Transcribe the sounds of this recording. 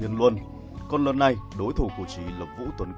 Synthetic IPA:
i˧ənlwə˧n | kɔ˧nlə˧nːa˧jɗo˨˦jt̪ʰu˧˩ku˧˩t͡ɕi˨˦lə˨˩p̚vṵ˧˥t̪wə˨˦n

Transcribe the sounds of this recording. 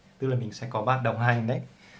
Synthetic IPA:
t̪ɨ˧˥k̚la˨˩mï˨˩ŋsɛ̰˧˥kɔ˨˦ɓaː˧˩n̚ɗə˨˩wŋ͡mhaː˧˩jnɛ˨˦˥

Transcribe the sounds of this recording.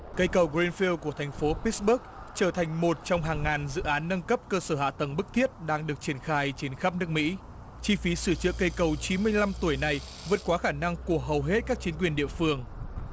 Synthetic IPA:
kə˧jkə˨˩wɣɾi˧nfi˧wku˧˩ət̪ʰa˨˩jŋ̟fo˨˦pi˦˥s̚ɓu˦˥k̚ | t͡ɕəː˧˩t̪ʰa˨˩jŋ̟mo˨˩t̚t͡ɕɔ˧wŋ͡mɦaː˨˩ŋːaː˨˩nzɨ̰˧˨ʔaː˨˦nːə˧nkə˦˥p̚kəː˧səː˧˩ha̰ː˧˨t̪ə˨˩nɓɨ˦˥k̚t̪ʰi˦˥ət̚ɗaː˧ŋɗɨ˨˩ək̚t͡ɕi˧˩ənxaː˧jt͡ɕe˧nxa˦˥p̚nɨ˦˥ək̚mḭ˧˥ | t͡ɕi˧fi˨˦sɨ˧˩t͡ɕɨ̰˧˨əkə˧jkə˨˩wt͡ɕi˨˦nmɨ˧əjla˧mt̪u˧˩əjna˨˩j | vɨ˨˩ət̚kwaː˨˦xaː˧˩na˧ŋku˧˩əɦə˨˩wɦe˦˥t̚kaː˦˥k̚t͡ɕï˨˦ŋ̟kwi˨˩ənɗḭ˧˨əfɨ˧əŋ

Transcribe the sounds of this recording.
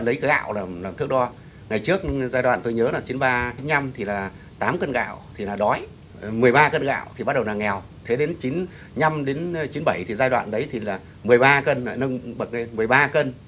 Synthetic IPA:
lə˨˦jkɣa̰ː˧˨wlaː˨˩laː˨˩mt̪ɨ˦˥ək̚ɗɔ˧ | ŋa˨˩jt͡ɕɨ˦˥ək̚zaː˧jɗwa̰ː˧˨nt̪o˧jɲəː˨˦laː˨˩t͡ɕi˨˦nɓaː˧˦ɲa˧mt̪ʰi˨˩laː˨˩ | t̪aː˨˦mkə˧nɣa̰ː˧˨wt̪ʰi˨˩laː˨˩ɗɔ˨˦j | mɨ˨˩əjɓaː˧kə˧nɣa̰ː˧˨wt̪i˨˩ɓa˦˥t̚ɗə˨˩wnaː˨˩ŋɛ˨˩w | t̪ʰe˨˦ɗe˨˦nt͡ɕi˨˦n | ɲa˧mɗe˨˦nt͡ɕi˨˦nɓa˧˩jt̪ʰi˨˩zaː˧jɗwa̰ː˧˨nɗə˨˦jt̪ʰi˨˩laː˨˩ | mɨ˨˩əjɓaː˧kə˧nə̰˧˨˩nə˧ŋɓə˨˩t̚ɗə˧mɨ˨˩əjɓaː˧kə˧n

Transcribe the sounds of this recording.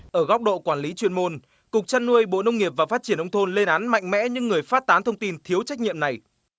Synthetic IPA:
ʔəː˧˩ɣa˦˥wk͡p̚ɗo̰˧˨kwaː˧˩nli˨˦t͡ɕwi˧˨əmo˧n | kʊ˨˩k̚t͡ɕaː˧nːu˧əjɓo̰˧˨nə˧wŋ͡mŋi˨˩əp̚vaː˨˩faː˦˥t̚t͡ɕi˧˩ənʔə˧wŋ͡mt̪ʰo˧nle˧nʔaː˨˦nma̰˧˨jŋ̟mɛ̰˧˥ɲɨ̰˧ŋːɨ˨˩əjfaː˦˥t̚t̪aː˨˦nt̪ʰə˧wŋ͡mt̪i˧nt̪ʰi˨˦wt͡ɕa˦˥k̟̚ɲḭ˧˨əmna˨˩j

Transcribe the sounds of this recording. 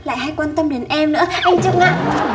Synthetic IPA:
la̰ː˧˨jɦaː˧jkwaː˧nt̪ə˧mɗi˨˩nʔɛ˧mnɨ̰˧˥əʔa˧jŋt͡ɕɨ˦˥k͡p̚ŋa˧˥

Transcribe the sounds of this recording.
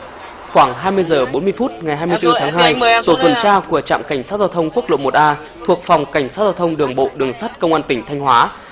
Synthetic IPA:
xwaː˧˩ŋɦaː˧jmɨ˧əjzəː˨˩ɓo˨˦nmɨ˧əjfu˦˥t̚ŋa˨˩jɦaː˧jmɨ˧əjt̪ɨ˧t̪ʰaː˨˦ŋɦaː˧jt̪o˧˩t̪wə˨˩nt͡ɕaː˧ku˧˩ət͡ɕa̰ː˧˨mka˧˩jŋ̟saː˦˥t̚zaː˧wt̪ʰə˧wŋ͡mku˦˥əklo̰˧˨mo˨˩t̚ʔaː˧ | t̪ʰu˨˩ək̚fɑ˨˩wŋ͡mka˧˩jŋ̟sa˦˥t̚za˧t̪ʰə˧wŋ͡mɗɨ˨˩əŋɓo̰˧˨ɗɨ˨˩əŋsaː˦˥t̚kə˧wŋ͡mʔaː˧nt̪ï˧˩ŋ̟t̪ʰa˧jŋ̟hwaː˨˦

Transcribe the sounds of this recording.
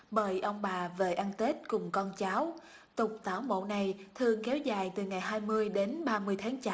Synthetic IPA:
ɓə̰ː˧˨jʔə˧wŋ͡mɓaː˨˩vḛ˧˨˩ʔa˧nt̪e˦˥t̚kʊ˨˩ŋ͡mkɔ˧nt͡ɕaː˨˦w | t̪ʊ˨˩k͡p̚t̪aː˨˦wmo̰˧˨na˨˩jt̪ʰɨ˧əŋkɛ˨˦wzaː˨˩jt̪ɨ˨˩ŋa˨˩jɦaː˧jmɨ˧əjɗe˨˦nɓaː˧mɨ˧əjt̪ʰaː˨˦ŋt͡ɕa˨˦

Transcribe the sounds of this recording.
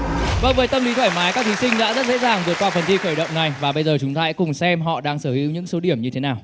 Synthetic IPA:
və˧˩ŋvəː˨˦t̪ə˧mli˨˦t̪ʰwɛ˧˩jmaː˨˦jkaː˦˥k̚t̪ʰï˨˦sï˧ŋ̟ɗa̰ː˧˥zə˦˥t̚zḛ˧˥zaː˨˩ŋvɨ˨˩ət̚kwaː˧fə˨˩nt̪ʰi˧xəː˧˩jɗə̰˧˨wŋ͡mna˨˩jvaː˨˩ɓə˧jzəː˨˩t͡ɕʊ˨˦ŋ͡mt̪ʰa̰ː˧˦jkʊ˨˩ŋ͡msɛ˧mɦɔ̰˧˨ɗaː˧ŋsəː˧˩hḭ˨˦wɲɨ̰˧˥ŋso˨˦ɗi˧˩əmɲɨ˧t̪ʰe˨˦naː˨˩w

